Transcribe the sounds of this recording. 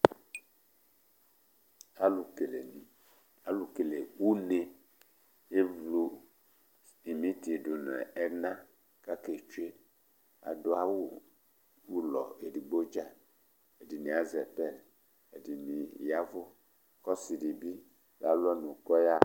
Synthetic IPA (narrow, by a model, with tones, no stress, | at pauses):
a˦lu˨ke˨le˨ni˨ | a˨lu˨ke˨le˨wu˦ne˦ | e˦vlu˦ | i˨mĩ˦ti˨e˨du˨n˨ɛ̰˨ɛ˦nã˦ | ka˦ke˨t͡ʃu˦e˦ | a̰˨do˦a˦wu˦˨ | wu˦lɔ˨e˨di˨ɡ͡bo˦d͡ʒa˦˨ | ɛ˨di˨nĩ˨a˦zɛ˨pɛ˦˨l | ɛ˨di˨nĩ˨ja˦vo˦ | kɔ˦si˨di˨bi˦ | la˨lɛ˦nũ˨kɔ˦ja˦